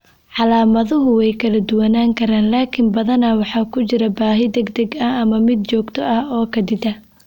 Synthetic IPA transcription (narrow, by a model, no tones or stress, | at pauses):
ʕɑlaːmɐðʊɦʊwɛjkʰɐlɐd̪ʊwɐnaːŋkʰɐɾaːnlaːkʰɪmbɐðɐnɐwɑħɑːkʰʊt͡ʃɪɾɐbaːɦɪd̪ɛɡd̪ɐɡɐɐmɐmɪd̪̚t͡ʃɔːɡt̪ʰɔʔɐhɔːkʰɐd̪ɪd̪ɐ